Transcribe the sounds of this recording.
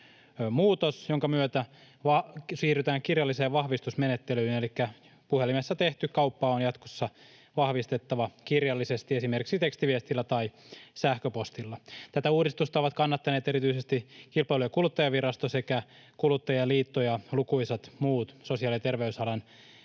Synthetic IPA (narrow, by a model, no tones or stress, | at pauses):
muːt̪osjoŋkɑmyøt̪æ | ʋɑsiːryt̪æːŋkirjɑlːiseːʋʋɑhʋist̪usmenet̪ːelyːinelikːæ | puhelimesːɑt̪eht̪ykɑupːɑːonjɑt̪ko̥sːɑ | ʋɑhʋist̪et̪ːɑʋɑkirjɑlːisest̪iesimerkiksit̪ekst̪iʋiest̪ilːæt̪ɑisæhkøpost̪ilːɑt̪æt̪æuːdist̪ust̪ɑoʋɑt̪kɑnːɑt̪ːɑneːt̪eɾit̪yisest̪ikilpɑilujekulut̪ːɑjɑʋirɑst̪ose̞kæ | kulut̪ːɑjɑliːt̪ːojɑlukuisɑt̪muːt̪sosiɑlit̪erʋeysɑlɑn